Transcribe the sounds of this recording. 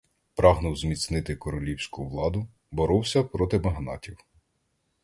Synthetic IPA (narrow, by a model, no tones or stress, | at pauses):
pɾɑɦnʊwzmʲit̪snɪt̪ɪkɔɾɔlʲiwsʲkʊʋlˠɑd̪ʊ | bɔɾɔwsʲɐpɾɔt̪ɪmɐɦnɑ̰tʲiw